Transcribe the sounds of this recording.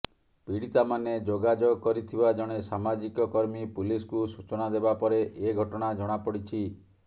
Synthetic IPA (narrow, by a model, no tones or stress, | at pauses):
piɽit̪amaned͡ʒoɡad͡ʒoɡkɔɾit̪ʰibad͡ʒɔɽ̃esamad͡ʒikɔkɔɾmipuliskusut͡ʃɔnad̪ebapɔɾeʔeɡʱɔʈɔɽ̃ad͡ʒɔɽ̃apɔɽit͡ʃʰi